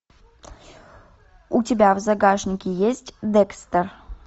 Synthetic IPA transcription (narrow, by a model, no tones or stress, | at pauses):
utʲɪbʲavzaɡaʂnʲɪkʲɪjesʲtʲd̪ɛkst̪ər